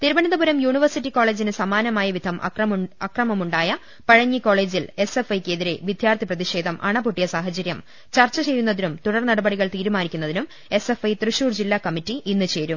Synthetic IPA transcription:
t̪iɾubɐnɐðɐbuɾɐmjuːɳiʋɐrsitːiko̞ːɭe̞ːd͡ʑinɨsɐmaːnɐmaːjɐʋid̪ʱɐmʔɐ̰ɐɐkrɐmɐmuɳɖaːjɐ | pɐɻɐɲːiko̞ːɭe̞ːd͡ʑile̞sefɐjkʲːeðiɾe̞ʋid̪ʱjaːrt̪ʰiprɐðiʂe̞ːd̪ʱɐmʔɐ̰ɳɐpuʈːijɐsaːɦɐt͡ɕɐɾjɐm | t͡ɕɐrt͡ɕːɐt͡ɕe̞jːunːɐðinumt̪uɽɐrnɐɽɐbɐɽiɣɐɭt̪iːɾumaːnikʲːunːɐðinum | e̞se̞fɐjt̪rɨʂuːrd͡ʑilːaːkɐmitːiinːɨt͡ɕe̞ːɾum

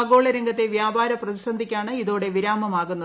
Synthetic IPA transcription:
ɐɣo̞ːɭɐɾɐŋɡɐt̪ːe̞ʋjaːbaːɾɐprɐðisɐnd̪ʱikʲːaːɳɨiðo̞ːɽe̞ʋiɾaːmɐmaːɣunːɐ

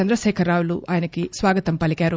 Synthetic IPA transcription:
ɐnd̪ɾɐʃɛːkʰɐɾaːwuluʔaːjɐnɐkisʋaːɡɐt̪ɐmpɐlikaːɾu

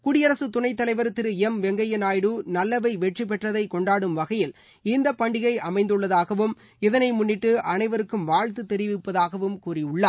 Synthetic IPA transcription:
kʊɽɪjɐɾɐsɯt̪ʊnɐɪt̪ːɐlɐɪʋɐɾt̪ɪɾɯɛmʋɛŋɡɐjɪnaːjɽɯnɐlːɐʋɐɪʋɛʈrip̬ːɛʈrɐðɐɪkɔɳɖaːɽɯmʋɐɣɐjɪl | ɪnd̪ɐpːɐɳɖɪɣɐɪʔɐmɐɪnd̪ɯɭːɐðaːɣɐʋɯm | ɪðɐnɐɪmʊnːɪʈːɯʔɐnɐɪʋɐɾɯkːɯmʋaːɻt̪ɯt̪ɛɾɪʋɪpːɐðaːɣɐʋɯmkuːrɪɯɭːaː

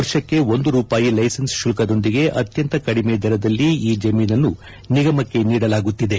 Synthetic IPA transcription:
ɐɾʃɐkːe̞o̞nd̪uɾuːpaːjilɐjsɐnsʃulɐkɐd̪o̞nd̪iɡe̞ʔɐt̪jɐnt̪ɐkɐɽimed̪ʱɛɾɐd̪ɐlːiiːd͡ʒɐmiːnɐnːu | niɡɐmɐkːe̞niːɽɐlaːɡut̪ːid̪e

